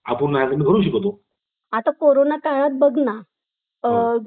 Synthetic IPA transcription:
a̰puɾnajakəmiːkʰəɾuːɕ̬əkət̪o | at̪akoɾonakaɭat̪̚bəɡna

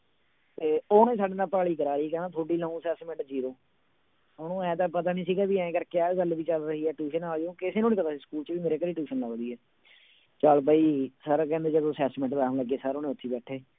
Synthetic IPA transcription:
t̪eːoːnẽːsaːɖeːnaːpaːɭiːkəɾaːɾiːkɛ̃ːnãːt̪ʰoːɖiːlə̃ːũːsɛːsmɛ̃ɳʈd͡ʒiːɾoː | oːnũːɛ̃ːt̪aːpət̪aːnĩːsiːɡaːbiːɛ̃ːɡəɾkɪaːɡəlʋiːt͡ʃəlɾəɦiːɛːʈuːʃənaːd͡ʒõːkɪseːnũːnĩːpət̪aːsiskuːlt͡ʃʋiːmeːɾeːkəɾiːʈuːʃənləːɡd̪iːɛː | t͡ʃaːlpaːiːsəɾkɛ̃ːnd̪eːd͡ʒəd̪õːsɛːsmɛ̃ɳʈbɛ̃ːləɡːeːsəɾoːnẽːʊt̪ʰːiːbɛːʈʰeː

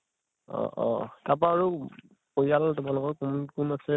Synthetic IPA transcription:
ɔ̰̃ʔɔ̰̃tap̬aːɹu | pojaltʊmalʊkɔɹkunkunasɛ

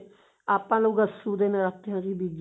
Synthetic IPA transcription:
aːpãːloːɡəsuːd̪eːnãːɾakt̪eːɦãːkiːbiːd͡ʒ

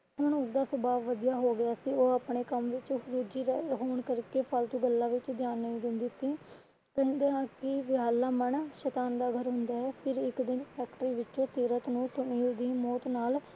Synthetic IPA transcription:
ɦʊɳʊsd̪aːsəbaːʋːəd̪ijaːɦoːɡɪjaːsiːoːaːpɳeːkəmʋɪt͡ʃɾuːd͡ʒiːɦoːɳkəɾkeːpʰalt̪ũːɡəlːãːʋɪt͡ʃd̪ɪjaːnːəĩːd̪ɪnd̪iːsiː | kɛ̃ːnd̪eːãːkɪʋɪaːlːaːmənʃɛːt̪aːnd̪aːɡʱəɾɦʊnd̪aːɦɛːpʰɪɾɪkd̪ɪnpʰɛːkʈɾiːʋɪt͡ʃõːsiːɾət̪nũːsʊniːld̪iːmɔːt̪naːl

